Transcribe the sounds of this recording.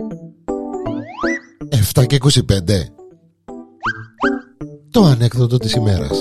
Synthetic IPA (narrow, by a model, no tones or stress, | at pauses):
eft̪ɐce̞iko̞sipe̞nd̪e̞ | t̪o̞ɐnekθod̪ot̪isime̞ɾɐ̰s